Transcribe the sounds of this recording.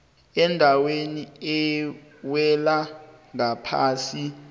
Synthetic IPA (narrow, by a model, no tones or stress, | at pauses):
ɛndʱaweniɛwɛlaŋapʰaːsi